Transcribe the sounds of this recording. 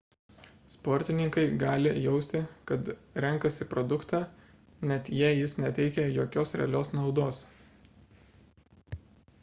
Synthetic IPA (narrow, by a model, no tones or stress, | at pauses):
spɔːɾʲt̪ʲɪnʲɪŋkɐɪɡɑːlʲɪjɛʊsʲt̪ʲɪkɐt̪ɾʲɛŋˑkɐsʲɪpɾɔd̪ʊkt̪ɑː | nʲɛt̪jiɛjɪsnʲɛt̪ʲɛɪkʲɛjoːkʲoːsɾʲɛ̰ɐlʲoːsnɒʊd̪oːs